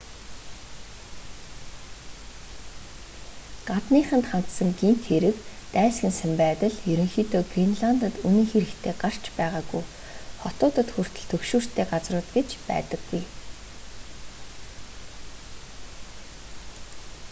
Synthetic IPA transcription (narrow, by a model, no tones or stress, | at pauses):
ɢat̪niːχə̆nt̪χan̥t̪sə̆ŋɡim̥t̪xeɾɘ̆kt̪æːsɡʲɘ̆nsæmpæːt̪ə̆ɮjɵɾʲɵ̆ŋxiːt̪oːɡrinɮant̪ə̆t̪unĭŋxeɾɘ̆kt̪ʰeːɢar̥t͡ɕpæːʁaːɡuj | χɔt̪ʊːt̪ə̆t̪xur̥t̪ʰɵ̆ɮt̪ʰɵkʃuːr̥t̪ʰeːɢat͡srʊːt̪ɡet͡ɕpæ̰ːt̪ə̆ɡːuj